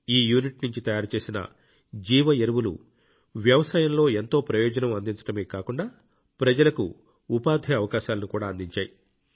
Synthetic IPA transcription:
iːjuːniʈnuɲt͡ʃit̪ɐjaːɾut͡ʃe̞ːsinɐ̰ | d͡ʒiːʋɐeɾuʋulṵ | ʋjɐʋɐsaːjɐmlo̞ːe̞nt̪o̞ːpɾɐjɔːd͡ʒɐnɐmɐnd̪iɲt͡ʃɐ̥ʈɐmeːkaːkuɳɖaː | pɾɐd͡ʒɐlɐkṵ | upaːd̪ʱiɐʋɐkaːʃaːlɐnukuːɽaːnd̪iɲt͡ʃaːji

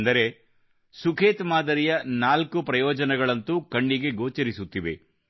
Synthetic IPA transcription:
nd̪ɐɾe̞ | sukʰeːt̪maːd̪ɐɾijɐnaːlkupɾɐjɔːd͡ʒɐnɛɡɐɭɐnt̪ukɐɳːiɡe̞ɡoːt͡ʃɐɾisut̪ːiʋe̞̰

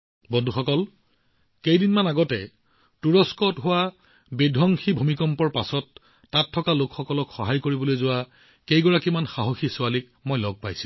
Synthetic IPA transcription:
bɔndʱuxɔkɔl | kejdinmanaɡɔtɛ | tuɹɔskɔtɦʊwa | bidʱɔŋxibʱumikɔmpɔɹpasɔtː | atʰːɔkalokxɔkɔlɔkxɔɦajkoɹibɔlojzʊwa | kejɡɔɹakimanxaɦoxisʊalik̚ | mojlɔɡ̚pajsi

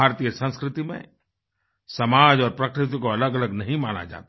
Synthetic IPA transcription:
aːɾt̪ijəsə̃nskɾɪt̪imḛ̃ | sɐmaːd͡ʒɔːɾpɾɐkɾɪt̪̬ikoɐləɡɐləɡnɐɦĩmaːna̰d͡ʒa̰ːt̪a

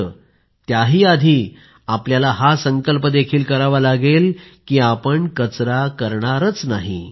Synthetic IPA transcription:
t̪jaɦiːad̪ʱiː | apljalaɦasəŋkəlpəd̪ekʰiːlkəɾaʋalaɡelkiːapəɳkət͡sɾakəɾɳaɾət͡snaɦḭ

